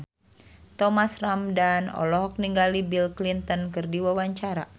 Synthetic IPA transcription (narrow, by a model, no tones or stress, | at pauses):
t̪ɔmasramdanɔ̰lɔɦɔk̚niŋɡalibilklint̪ɔnkɨrdiwawaɲt͡ʃaɾa̰